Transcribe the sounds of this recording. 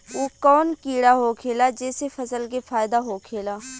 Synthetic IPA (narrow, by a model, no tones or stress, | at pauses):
oːkɔːnkiːɽaːɦokʰeːlaːd͡ʒɛːsefʰəsəlkefʰaːɪd̪aɦoːkʰeːlaː